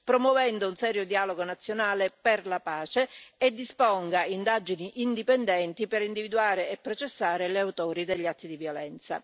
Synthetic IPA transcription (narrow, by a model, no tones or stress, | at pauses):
pɾomwɔvɛnd̪ounsɛːɾjod̪iaːloɡonat̪sːjonaːleperlapaːt͡ʃeed̪ːispoŋɡaind̪ad͡ʒiniʔind̪ipɛnd̪ɛnt̪ipeɾind̪ivid̪uaːɾeepːɾot͡ʃesːaːɾeleawt̪oːɾid̪eʎːat̪ːid̪ivjolɛnt̪sa̰